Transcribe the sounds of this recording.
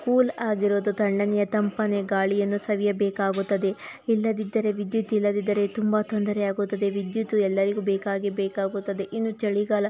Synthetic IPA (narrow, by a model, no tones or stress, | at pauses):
kuːlaːɡiɾoːd̪ut̪ɐɳɖɐnɛjɐt̪ɐmpɐne̞ɡaːɭijɐnːusɐʋijɐbɛːkaːɡut̪ːɐd̪e̞ilːɐd̪id̪ːɐɾe̞ʋid̪jut̪ilːɐd̪id̪ːɐɾe̞t̪umbat̪ond̪ɐɾɛjaːɡut̪ːɐd̪e̞ʋid̪jut̪uɛlːɐɾiɡubɛːkaːɡebɛːkaːɡut̪ːɐd̪e̞ʔinːut͡ʃɐɭiɡalɐ